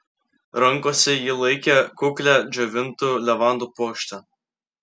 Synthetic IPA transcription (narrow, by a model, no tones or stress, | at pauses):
ɾɐŋˑkoːsʲɛjɪlˠɐɪkʲekʊklʲæd͡ʒʲoʋʲɪnt̪ulʲɛʋɑˑnd̪uːpoːkʃʲt̪ʲɛ